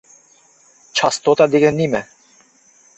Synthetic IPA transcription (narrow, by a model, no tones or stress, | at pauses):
t͡ʃʰɑst̪ot̪ɑd̪iɡənimɛ